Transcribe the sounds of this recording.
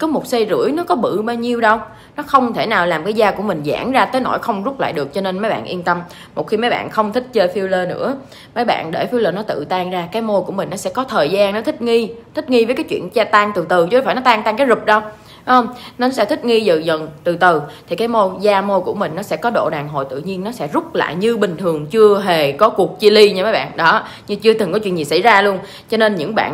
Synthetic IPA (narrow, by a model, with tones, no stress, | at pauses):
kɔ˨˦mo˨˩t̚sə˧jzɨ̰˧˩˥əjnɔ˨˦kɔ˨˦ɓɨ̰˧˨ɓaː˧wɲi˧əwɗə˧w | nɔ˨˦xə˧wŋ͡mt̪ʰe˧˩naː˨˩wlaː˨˩mkaː˨˦jzaː˧ku˧˩əmï˨˩ŋ̟za̰ː˧˩ŋzaː˧t̪əː˨˦jno̰˧˩jxə˧wŋ͡mzu˦˥k͡p̚la̰ː˧˨jɗɨ˨˩ək̚t͡ɕɔ˧ne˧nmə˨˦jɓa̰ː˧˨nʔi˧ənt̪ə˧m | mo˨˩t̚xi˧mə˨˦jɓa̰ː˧˨nxə˧wŋ͡mt̪ʰï˦˥k̚t͡ɕəː˧fi˧wləː˧nɨ̰˧˥ə | mə˨˦jɓa̰ː˧˨nɗe˧˩fi˧əwləː˧˩nɔ˨˦t̪ɨ̰˧˨t̪aː˧ŋzaː˧kaː˨˦jmo˧ku˧˩əmï˨˩ŋ̟nɔ˨˦sɛ̰˧˥kɔ˨˦t̪ʰəː˨˩jzaː˧nnɔ˨˦t̪ʰï˦˥k̚ŋi˧t̪ʰi˦˥k̟̚ŋi˧vəː˨˦jkaː˨˦jt͡ɕwḭ˧˨ənt͡ɕaː˧t̪a˧ŋt̪ɨ˨˩t̪ɨ˨˩t͡ɕfaː˧˩jnɔ˨˦t̪aː˧ŋt̪a˧ŋkaː˨˦jzʊ˨˩k͡p̚ɗə˧w | hə˧wŋ͡mnɔ˨˦n˦sɛ̰˧˥t̪ʰï˦˥t̚ŋi˧zɨ̰˧˨˩zə˨˩nt̪ɨ˨˩t̪ɨ˨˩t̪ʰi˨˩kaː˨˦jmo˧zaː˧mo˧jku˧˩əmï˨˩ŋ̟nɔ˨˦sɛ̰˧˥kɔ˨˦ɗo̰˧˨ɗaː˨˩ŋɦo̰˧˨jt̪ɨ̰˧˨ɲi˧ənːɔ˨˦sɛ̰˧˥zʊ˦˥k͡p̚la̰ː˧˨jɲɨ˧ɓï˨˩ŋ̟t̪ʰɨ˨˩əŋt͡ɕɨ˧əɦe˨˩kɔ˨˦ku˨˩ək̚t͡ɕi˧li˧ɲɨ˧mə˨˦jɓa̰ː˧˨nɗɔ˨˦ | ɲɨ˧t͡ɕɨ˧t̪ɨ˨˩ŋkɔ˨˦t͡ɕwḭ˧˨nɲi˨˩sa̰˧˥˩jzaː˧lu˧ən | t͡ɕɔ˧ne˧nɲɨ̰˧˥ŋɓa̰ː˧˨n